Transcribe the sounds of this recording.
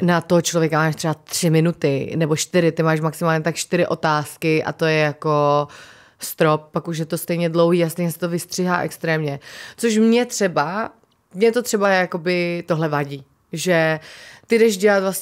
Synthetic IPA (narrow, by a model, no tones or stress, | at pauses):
nat̪oɦot͡ʃlovjɛkamaːʃt̪r̥ɛbat̪r̝̥ɪmɪnut̪ɪnɛbo̞ʃt̪ɪɾɪt̪ɪmaːʃmaksɪmaːlɲɛt̪akʃt̪ɪɾɪʔo̞t̪aːskɪʔa̰t̪ojɛjako | st̪ɾop̚ːakuʃ̬jɛt̪o̞st̪ɛjɲɛdlowɦiːast̪ɛjɲɛsɛ̥t̪ovɪst̪r̥ɪɦa̰ːʔɛ̰kst̪ɾɛːmɲɛt͡soʃ̬mɲɛt̪r̥ɛba | mɲɛt̪ot̪r̥ɛbajako̞bɪt̪oɦlɛvaɟiː | ʒɛt̪ɪdɛʃɟɛlat̪vlasɛ